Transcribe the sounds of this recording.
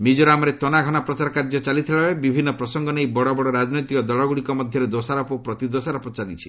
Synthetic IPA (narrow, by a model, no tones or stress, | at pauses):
mid͡ʒɔɾɔamɔɾet̪ɔnaɡʱɔnapɾɔt͡ʃaɾɔkaɾd͡ʒɔt͡ʃalit̪ʰiɭaebibʱinːɔpɾɔsɔŋɡɔnejbɔɽɔbɔɽɔɾad͡ʒnɔjt̪ikɔd̪ɔɭɔɡuɽikɔmɔd̪ʱjɔɾed̪osaɾɔpɔpɾɔt̪id̪osaɾɔpɔt͡ʃalit͡ʃʰi̥